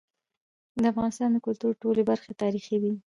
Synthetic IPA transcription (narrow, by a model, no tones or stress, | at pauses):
d̪əafɣɑnɪst̪ɑnd̪əkʊlt̪uɾʈolebaɾxet̪ɑɾixiwi